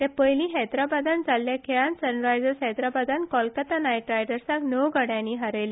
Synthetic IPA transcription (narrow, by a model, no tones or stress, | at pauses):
t̪ɛ̃pəjlĩɦɛt̪ɾabad̪ʱand͡zalːjakʰeɭansənɾajd͡zəɾsɦɛt̪ɾabad̪ʱankɔlkət̪anajʈɾajɖəɾsãknəwɡəɽjãnːiɦaɾəjle